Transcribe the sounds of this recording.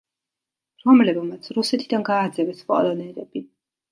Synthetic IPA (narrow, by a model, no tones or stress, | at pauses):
ɾɔmlɛbmat̪sʰɾusɛt̪ʰid̪anɡaːd̪zɛvɛspʼɔ̰lˠɔnɛɾɛbi